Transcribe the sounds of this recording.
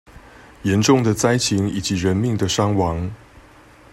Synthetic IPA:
jɛ˨˦nʈ͡ʂʊ˥˩ŋd̪ə˨t͡sa˥ɪt͡ɕʰi˧˥ŋi˨˩t͡ɕi˨˦ɻə˧˦nmi˥˨˩ŋd̪ə˨ʂɑ˥ŋwɑ˧˥ŋ

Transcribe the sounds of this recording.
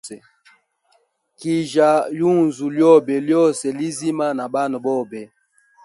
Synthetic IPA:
ɛ˨ | ki˨ʒa˨lu˦˨nzu˨ljɔ˦bɛ˨ljɔ˦sɛ˨li˦zi˦ma˦na˨ba˦nɔ˨bɔ˦˨bɛ˨

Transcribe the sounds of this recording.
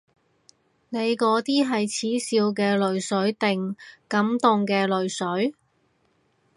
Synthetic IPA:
ne˨˧jkɔː˨˧˥t̪iː˥ɦɐ˨jt͡sʰiː˨˥siː˧wk̬ɛː˧lɵ˨˧ɥsɵ˨˥ɥt̪ɪ˨ŋkɐ˨˥mt̪ʊ˨ŋkɛː˧lɵ˨ɥsɵ˨˥ɥ

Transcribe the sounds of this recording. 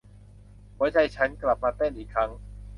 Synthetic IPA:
hɔː˨˦˥jt͡ɕʰa˧jt͡ɕʰa˦˥nkla˨˩p̚maː˧t̪e˥˩nʔiː˨˩kʰːɾa˦˥ŋ

